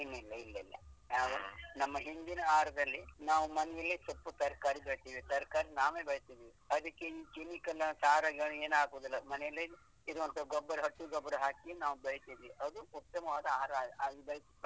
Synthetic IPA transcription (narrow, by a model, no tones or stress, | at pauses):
inːuilːɐilːɐilːɐ̰jaːʋɐnɐmːɐɦind̪inɐaːɾɐd̪ɐlːinaːʋumɐnɛjɐlːisɐpːut̪ɐɾkaːɾibɐɭit̪iːʋit̪ɐɾkaːɾinaːʋeːbɐɭit̪id̪ʋiɐd̪ɐkːeiːkimikɐlɐsɐɦaːɾaːɡiɡɐɭueːnaːɡuːd̪ilːɐmɐnɛjɐlːi | iɾuʋɐnt̪ʰɐɡɔbːɐɾɐɦɐʈːuɡɔbːɐɾɐɦaːkienaːʋubɐɭit̪id̪ʋiʔɐd̪uut̪ːɐmɐʋaːd̪ɐaːɾɐaːɡɐaːɡibɐɭisi